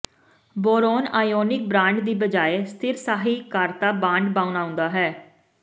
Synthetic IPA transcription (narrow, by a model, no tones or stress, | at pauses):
boːɾoːnaːjoːnɪk̚bɾãːɳɖd̪iːbəd͡ʒaːeːst̪ʰɪɾsaːɦiːkəɾt̪aːbãːɳɖbãːʊnaːʊ̃nd̪aːɦɛː